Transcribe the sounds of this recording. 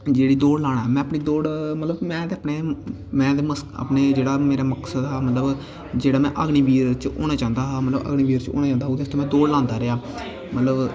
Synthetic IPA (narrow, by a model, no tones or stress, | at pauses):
d͡ʒeːɽiːd̪oːɽlãːɽ̃aɦɛːmɛ̃ːəpɳiːd̪oːɽmət̪ləbmɛ̃ːd̪eːəpɳeː | mɛ̃ːd̪eːməsə̰pneːd͡ʒeːɽaːmeːɾaːməksəd̪ɦaːmət̪ləb | d͡ʒeːɽaːmɛ̃ːʔəɡɳiːʋiːɾt͡ʃo̰ːñaːt͡ʃãːnd̪aːɦaːmət̪ləbə̰ɡɳiːbiːɾt͡ʃo̰ːnãːt͡ʃãːnd̪aːɦod̪est̪oːmɛ̃ːd̪oːɽlãːnd̪aːɾɪaː | mət̪ləb